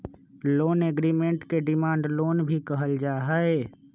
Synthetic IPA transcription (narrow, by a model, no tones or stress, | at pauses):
loːneɡɾiːmẽɳʈkeɖɪmãːɳɖloːnbʱikəɦəld͡ʒaːɦəe